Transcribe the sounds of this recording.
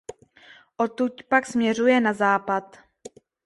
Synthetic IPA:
ʔot̪ucpaksmɲɛrujɛnazaːpat̪

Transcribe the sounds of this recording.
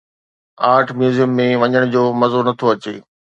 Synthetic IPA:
aːʈʰmjuːzijəmːẽʋɐɲəɽ̃d͡ʑoːmɐzonɐt̪ʰoɐt͡ɕeː

